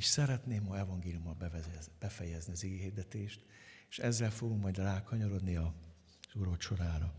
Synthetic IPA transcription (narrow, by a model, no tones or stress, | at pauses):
iʃsɛɾɛt̪neːmːoɛvɒŋɡeːlijumːɒbb̥ɛfɛjɛzniɒziɡɛɦiːrd̪ɛt̪eːʃt̪ | eʃɛzːɛlfo̞ɡuŋkmɒjd̪laːkhɒɲoɾo̞d̪niɒ | z̥uɾoːt̪ʃo̞ɾaːɾɒ